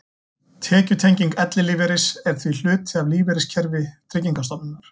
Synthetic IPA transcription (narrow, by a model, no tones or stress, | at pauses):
t̪ʰɛːcʏt̪ʰejɲciŋkɛt̪lɪlivɛɾɪsɛɾ̥θvil̥ʏːt̪ʰɪavliːvɛɾɪscʰɛɾvɪt̪ʰɾɪciŋkast̪ɔpnɪnaɾ̥